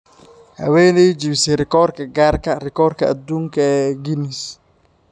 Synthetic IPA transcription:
hɐ̰wɛːnɛjd͡ʒiβsɛɾɪkɔɾkɐɡaːɾkɐɾɪkɔɾkɐa̰d̪uːŋkɐɛɡinis

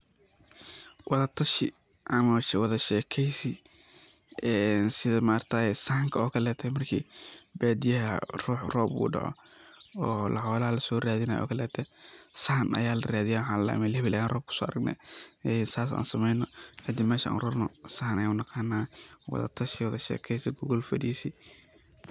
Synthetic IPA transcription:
wʔɑðɐt̪ʰɐʃɪ | ʔɐmɐʃwɑðɐʃɛːkʰɛjsi | ʔɛːnsɪðɐmaːrt̪ʰɐsɐhŋkʰɐɔːkʰɐlɛːt̪ʰɐmɐrkʰḭːbaːd̪ɪjɐɦɐ̰ruːħrɔːbṵːɖɑ̰ʕɔ̰ | ɔːlɐ̰ħɔːlɐɦɐlɐsɔːraːðɪnaːjʔɔ̰ːkʰɐlɛːt̪ʰɐsɐhnʔɐ̰jaːlɐraːðɪjaːwħɑ̃ːllɐ̰ʔmɛlhɛβɪlaːjɛːnrɔːb̚kʰʊ̥sɔːɐɾɐɡnɛ̰ːɛnsaːsa̰ːnsɐmɛjnɔħɐd̪ɪmɛːʃɐʔa̰ːnrɔrnɔsɐhnɐjaːʊnɑqɑːnaːwɑ̰ðɐ̰t̪ʰɐʃɛwɐðɐʃɛ̰ːkʰɛjsɪɡʊɣɔlfɐdiːsi

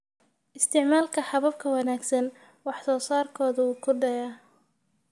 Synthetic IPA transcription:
ʔɪst̪ʰɪʕmaːlkʰɐħɑβɐb̚kʰɐwɑnaːɡsɐn | wɑħsɔːsaːrkʰɔːðɐuːkʰʊɖɐjaː

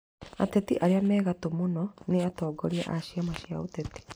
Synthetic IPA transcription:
a̰tɛtiʔaɾeamɛːɣatomonɔneatɔːɡɔɾiaʔaʃiamaʃiaotɛti̥

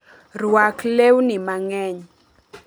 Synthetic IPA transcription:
rwaklewnɪmaŋɛɲ

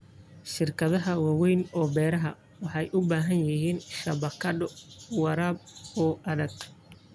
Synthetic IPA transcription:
ʃɪrkʰɐðɐɦɐwɑwɛjnɔːbɛːɾɐɦɐ̰ | wɑħɑjʔʊbaːɦɐnjɪɦiːnʃɐβɐkʰɐdɔwɑɾaːb̚ɔːʔɐðɐɡ

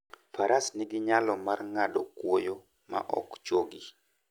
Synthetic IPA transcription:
faɾʔasnɪɡɪɲalɔmarŋadɔkwojo | ma̰ʔɔ̰kt͡ʃwoɡi

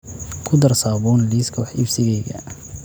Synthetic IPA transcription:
kʰʊd̪ɐrsaːβɔːnliːskʰɔħɪfsɪɣɛɣɐ̰

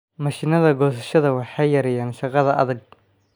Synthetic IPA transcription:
mɐʃɪnɐðɐɡɔːsɐʃɐðɐwɑħɑjjɐɾɛjaːnʃɑqɑðɐʔɐ̰ðɐɡ̚

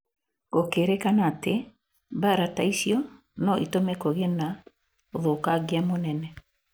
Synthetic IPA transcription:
ɣokeɾɛkanate | βaɾataisjɔ | nɔʔitomɛkoɣena | oðokaɣeamonɛnɛ

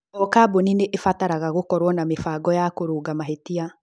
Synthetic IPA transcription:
ɔkaːbonineʔefataɾaɣaɣokɔɾwɔnamefaːɡɔjakoɾoːɡamaɦetia

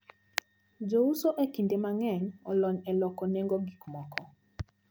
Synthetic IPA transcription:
d͡ʒousoʔekindemaŋɛɲɔlɔɲɛlɔkɔneŋɡoɡikmɔkɔ

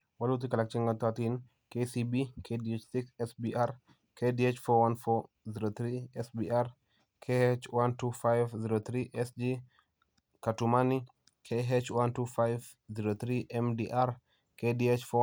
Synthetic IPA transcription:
walut̬ikalak̚t͡ʃiŋɡatatin | kesibikʰediet͡ʃsiksɛsbiaɾ | kʰediet͡ʃfɔwanfɔ | ziɾot̪ɾiɛsbiʔaɾ | kʰehet͡ʃwantufajvziɾot̪ɾiʔɛsd͡ʒi | katumani | kʰeɦet͡ʃwantufajv | ziɾot̪ɾiʔɛmdiʔaɾ | kediet͡ʃfɔ

